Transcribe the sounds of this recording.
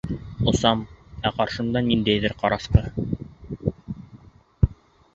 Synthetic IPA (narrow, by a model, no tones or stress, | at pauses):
ŏsɑmæqɑɾʃɤ̆md̪ɑnind̪æjðɘɾqɑɾɑsqɤ